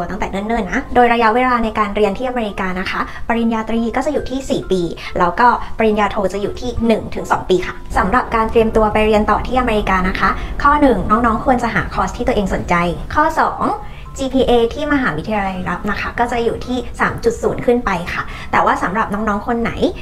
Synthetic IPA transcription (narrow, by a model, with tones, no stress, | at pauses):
t̪a˥˩ŋt̪ɛː˨˩ŋɯ˥˩˨nːɯ˥˩˨nːa˦˥doː˧jɾa˧ja˦˥ʔweː˧laː˧na˧jkaː˧nɾi˧ənt̪ʰiː˥˩ʔa˧meː˧ɾi˧kaː˧na˦˥kʰa˦˥pa˧ɾi˧njaː˧t̪ɾiː˧kɔː˥˩t͡ɕa˨˩juː˨˩t̪ʰiː˥˩siː˨˩piː˧ | lɛː˦˥wkɔː˥˩pɾi˧njaː˧t̪ʰoː˧t͡ɕa˨˩juː˨˩t̪ʰiː˥˩nɯ˨˩ŋt̪ʰɯ˨˩˦ŋsɔ̰ː˩˦ŋpiː˧kʰa˥˩sa˨˩˦mɾa˨˩p̚kaː˧nt̪ɾi˧əmt̪u˧ɐpa˧jɾi˧ənt̪ɔː˨˩t̪ʰiː˥˩ʔa˧meː˧ɾi˧kaː˧na˦˥kʰa˦˥kʰɔː˥˩nɯ˨˩ŋnɔː˦˥ŋnɔː˦˥ŋkʰu˧ənt͡ɕa˨˩ɦa̰ː˩˦kʰɔː˧˥stʰːiː˥˩˧əʔeː˧ŋso˩˦nt͡ɕa˧jkʰɔː˥˩sɔː˩˦ŋ | t͡ɕiː˧pʰiː˧ʔeː˧t̪ʰiː˥˩ma˧ɦaː˩˦wi˦t̪ʰi˧jaː˧la˧jɾa˦˥p̚na˦˥kʰa˦˥kɔː˥˩t͡ɕa˨˩juː˨˩t̪ʰiː˥˩sa̰ː˩˦mt͡ɕu˨˩t̪̚suː˩˦nkʰɯ˥˩npa˧jkʰa˥˩ | t̪ɛː˨˩waː˥˩sa˩˦mɾa˨˩p̚nɔː˦˥ŋnɔː˦˥ŋkʰo˧nːa̰˩˦j